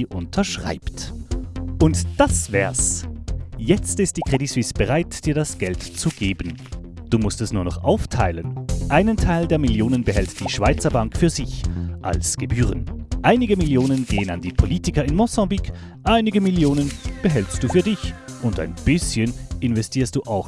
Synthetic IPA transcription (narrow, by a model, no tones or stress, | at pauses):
ʔʊntʰɐʃʁ̥a̰ɪpt | ʔʊntd̥asv̥ɛːɐs | jɛt͡stɪstd̥iːkʁ̥edisw̥ɪsb̥əʁaɪtd̥iːɐdasɡ̥ɛltt͡suɡeːbən̩ | d̥uːmʊstɛsnuːɐnɔχʔa̰ʊftʰaɪlənʔaɪnəntʰaɪldeːɐmɪljoːnənbəɦɛltd̥iːʃv̥aɪt͡sɐbaŋkfyːɐzɪçʔa̰lsɡ̥əbyːʁənʔaɪnɪɡəmɪljoːnənɡeːəna̰ndiːpʰoliːtɪkɐɪnmɔsɑ̃bik | ʔaɪnɪɡəmɪljoːnənb̥əɦɛlstd̥uːfyːɐdɪçʔʊnta̰ɪnb̥ɪsçənʔɪnvɛstʰiːɐst̚d̥uːʔaʊx